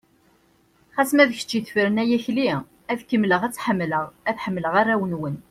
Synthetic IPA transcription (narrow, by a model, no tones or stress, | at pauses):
χæsmæðəçə̥t͡ʃːiθfəɾənæjæçli | æðkəmːləʁæt͡sːħəmːləʁæθħəmːləʁaɾæwənwən